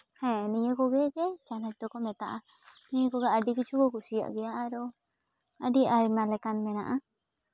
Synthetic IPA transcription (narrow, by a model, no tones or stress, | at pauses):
hɛ̃nijəkɔɡɛɡɛt͡ʃanat͡ʃd̪ɔkɔmɛt̪aʔa | nijəkɔɡɛəɖikit͡ʃʰukɔkusija̰ʔɡɛjaʔaɾɔ | əɖiaɾimalɛkanmɛna̰ʔa